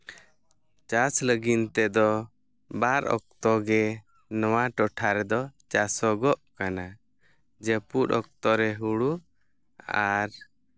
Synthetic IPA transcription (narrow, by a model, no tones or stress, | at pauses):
t͡ʃasləɡint̪ɛd̪ɔ | baɾɔ̰k̚t̪ɔɡɛ | nɔwaʈɔʈʰaɾɛd̪ɔt͡ʃasɔɡɔʔkana | d͡ʒepuʈɔk̚t̪ɔɾɛɦuɽu | aɾ